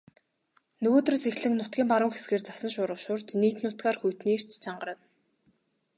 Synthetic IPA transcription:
nɵɣoːt̪ɵ̆rsexɮɘ̆ŋnʊt̪̚ɡʲiːmpaɾʊːŋxe̥sɡeːrt͡sḁsə̆nʃʊːɾə̆χʃʊːrt͡ɕniːt̪nʊt̪ɡaːrxujt̪niːr̥t͡ɕt͡ɕʰaɴɢ̆ɾə̆n

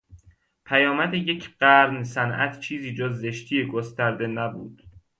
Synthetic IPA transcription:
pʰæjɒːmæd̪eje̞cʰɢæɾnsænʔæ̰t̪ʰt͡ʃʰiːziːd͡ʒozːe̞ʃt̪ʰiːeɡost̪æɾd̪e̞næbṵːd̪̥

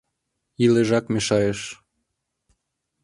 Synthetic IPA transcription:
ileʒɑkmeʃɑjeʃ

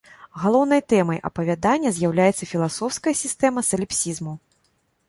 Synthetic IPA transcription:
ɣalˠɔwnɐjt̪ɛmɐjʔɐ̰pɐvʲad̪anʲːɐzʲjawlʲajɛt̪sɐfʲilˠasɔwskɐjɐsʲist̪ɛmɐsɐlʲɛpsʲizmu

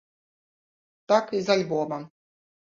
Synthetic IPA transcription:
t̪akizalʲbɔmɐ

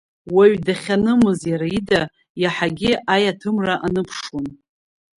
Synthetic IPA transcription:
waɥdaχʲanɨmɨzjaɾaida | jaħaɡʲɪʔajatʰɨmraʔanɨpʰʂwon

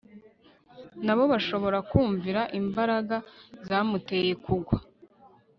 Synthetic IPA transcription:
naβo̞βaʃo̞βo̞ɾakuːɱviɾaʔimbaɾaɡazaːmute̞je̞kʰuɡwa

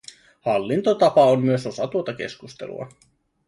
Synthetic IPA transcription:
hɑlːint̪o̞t̪ɑpɑomːyøso̞sɑt̪uot̪ɑk̟e̞̰skust̪e̞̰lṵɑ̰

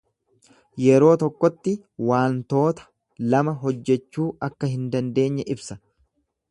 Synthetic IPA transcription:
jɛɾo̞ːt̪ɔkːɔt̪ːɪ | waːnt̪o̞ːt̪ɐ̥ | lɐmɐɦɔd͡ʒːɛt͡ʃːuːʔɐkːɐɦɪnd̪ɐnd̪e̞ːɲːɛʔɪbsɐ

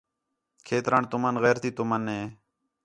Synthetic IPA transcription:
kʰeːt̪ɾaːɳt̪ʊmənɣɛːɾt̪iːt̪ʊmənẽː

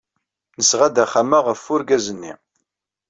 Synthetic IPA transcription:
nəsʁad̪æχamaʁəfːʊɾɡæzənːḭ

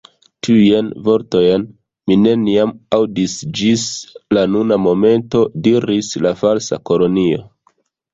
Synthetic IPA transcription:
tʰijenvo̞ɾto̞jen | mine̞niamawdisd͡ʒislanunamo̞me̞nto̞diɾislafalsa̰ko̞lo̞nio̞̰

